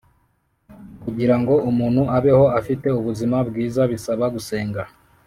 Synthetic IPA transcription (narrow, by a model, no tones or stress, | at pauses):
kuɟiɾaŋɡo̞umuːn̥huʔaβe̞ho̞afite̞uβuzimabɡiːzaβisaβaɡuse̞ːŋɡa